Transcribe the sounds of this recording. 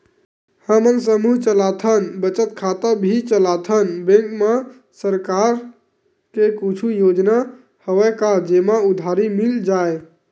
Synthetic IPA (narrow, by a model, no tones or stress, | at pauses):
həmənsəmuɦt͡ʃəlat̪ʰənbət͡ʃət̪̚kʰat̪əbʱit͡ʃəlat̪ʰənbẽŋkme | səɾkaɾ | kekut͡ʃʰujod͡ʒna | həwɛkad͡ʒemaud̪ʱaɾimild͡ʒae